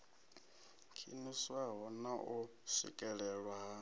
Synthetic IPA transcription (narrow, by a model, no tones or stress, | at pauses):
kʰḭniswaɦɔnaʔu | sḭkʼɛɺɛɺwaɦa